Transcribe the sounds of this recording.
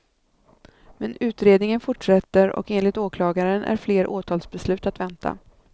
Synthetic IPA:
mɛnʉ̟ːt̪ɾeːd̪nɪŋənfʊʈʂɛt̪ːəɾɔ̰keːnlɪt̪oːkʰlɑːɡaɾənʔæ̰ɾfleːɾʔoːt̪ʰɑːlsbɛslʉ̟ːt̪at̪vɛnt̪ʰa̰

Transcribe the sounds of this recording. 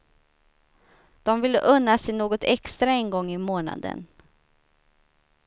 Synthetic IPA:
d̪̥ɔmvɪlːə̰ʔɵnːasɪnoːɡɔt̪ʰɛkst̪ɾaɛnɡɔŋːɪmoːna̰d̪ə̰n

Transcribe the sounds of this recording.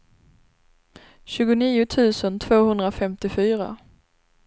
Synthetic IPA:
ɕʉ̟ːɡʊniːʊt̪ʰʉ̟ːsənt̪ʰv̥oːhɵnd̪ɾafɛmt̪ɪfyːɾa̰

